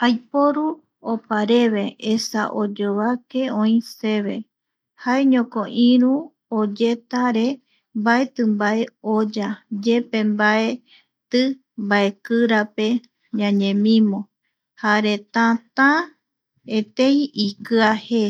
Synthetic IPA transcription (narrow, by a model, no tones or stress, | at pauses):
ajpoɾu | opaɾe̞βe̞esa̰ʔod͡ʒoβake̞õĩse̞βe̞ | haeɲõkoʔĩɾũ | od͡ʒe̞t̪aɾe̞ | mbae̞t̪ɨmbae̞od͡ʒad͡ʒe̞pẽ̞mbae̞ | t̪ɨ | mbae̞kɨɾape | ɲãɲẽ̞mĩmõ̞ | haɾe̞t̪ãt̪ã | et̪ẽjĩikɨahe